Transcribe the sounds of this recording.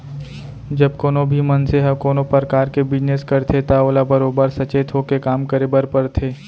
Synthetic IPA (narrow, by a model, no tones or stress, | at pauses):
d͡ʒɐbkoːnobʱimɐnseɦəkoːnopəɾkaːɾkebɪd͡ʒneskɐɾt̪ʰet̪aoːlabəɾoːbəɾsɐt͡ʃeːt̪ʰokekaːmkəɾebəɾpəɾt̪ʰeː